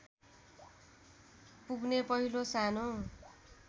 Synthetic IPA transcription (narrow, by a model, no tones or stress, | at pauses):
puɡnepʌɦilosano